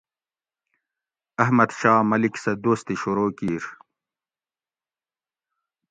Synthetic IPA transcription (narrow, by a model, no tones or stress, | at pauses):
ɐɦmɐd̪ɕaːmɐliksɐd̪oːst̪iɕuɾoːkiːɾ